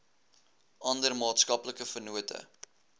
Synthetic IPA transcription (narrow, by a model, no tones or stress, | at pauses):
ɐndərmɑːtskɐpləkəfənuətə̰